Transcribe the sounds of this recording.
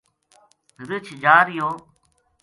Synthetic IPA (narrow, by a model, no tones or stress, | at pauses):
ɾɪt͡ʃʰd͡ʒaːɾɪjoː